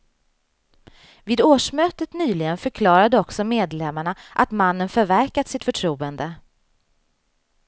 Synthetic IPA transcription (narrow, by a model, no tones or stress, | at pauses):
viːd̪oːʂmøːt̪ət̪nyːlɪɡənfœɾkʰlɑːɾad̪əɔksɔmeːd̪lɛmːaɳaʔat̪manːənfœɾvæɾkat̪sɪt̪fœʈʰɾuːənd̪ə